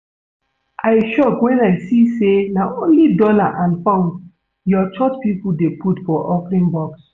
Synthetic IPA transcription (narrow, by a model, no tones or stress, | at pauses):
ʔaɪʃɔkwɛ̃naɪsisenaʔõnlidɔlaʔãnfãʊ̃n | jɔt͡ʃɔt͡ʃpipudepʰutfɔʔɔfɾĩnbɔks